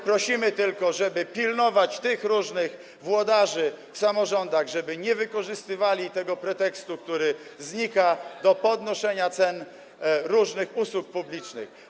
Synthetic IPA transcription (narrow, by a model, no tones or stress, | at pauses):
pɾɔɕimɘt̪ɘlkɔʐɛbɘpʲilnɔvat͡ɕt̪ɘxɾuʐnɘx | vwɔd̪aʐɘfsamɔʐɔnd̪aɣʐɛbɘɲɛvɘkɔʐɘst̪ɘvalʲit̪ɛɡɔpɾɛt̪ɛkst̪uk̚t̪uɾɘzɲikad̪ɔpɔd̪nɔʂɛɲat̪sɛn | ɾuʐnɘxuswuk̚publʲit͡ʂnɘ̰x